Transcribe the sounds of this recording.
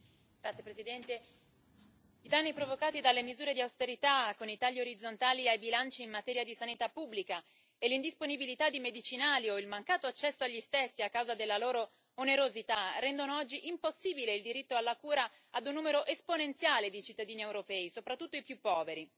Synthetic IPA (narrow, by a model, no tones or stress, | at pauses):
ɡ̥ɾat̪sjepɾezid̪ɛnt̪e | id̪anːipɾovokaːt̪id̪alːemizuːɾed̪iawst̪eɾit̪akːonit̪aʎːioɾid̪zːont̪aːliajbilant͡ʃiːmmat̪ɛːɾjad̪isanit̪apːubːlika | elːind̪isponibilit̪ad̪ːimed̪it͡ʃinaːlioilmaŋkaːt̪oat͡ʃːɛsːoaʎːist̪esːiakːawzad̪elːaloːɾo | oneɾozit̪arɛnd̪onoɔd͡ʒːiʔimposːiːbileild̪iɾit̪ːoalːakuːɾaː | d̪unːuːmeɾoʔesponent̪sjaːled̪it͡ʃit̪ːad̪iːniewɾopɛːisopɾat̪ːut̪ːoipjupːɔːveɾi